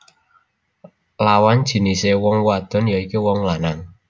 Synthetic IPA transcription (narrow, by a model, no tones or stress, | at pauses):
lawand̥ʒ̥i̤nisewɔŋwad̪̥ɔ̤njaikiwɔŋlanaŋ